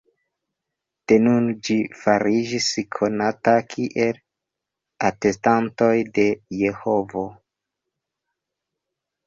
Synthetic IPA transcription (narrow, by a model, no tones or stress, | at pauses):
te̞nund͡ʒifaɾid͡ʒiskʰo̞natakʰiʔe̞l | ate̞stanto̞jde̞je̞ho̞vo̞